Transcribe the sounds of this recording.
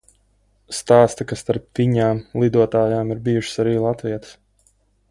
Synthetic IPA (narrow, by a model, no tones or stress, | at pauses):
st̪aːst̪akasst̪aɾp̚t̪iɲaːmlˠid̪uɔt̪aːjaːmiɾbiːjuʃsaɾiːlˠat̪viɛt̪ə̥s